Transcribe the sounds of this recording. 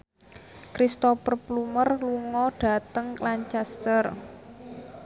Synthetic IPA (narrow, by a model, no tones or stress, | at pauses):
kɾist̪ɔpərplumərluŋɔɖ̥ä̤t̪əŋklaɲt͡ʃast̪ər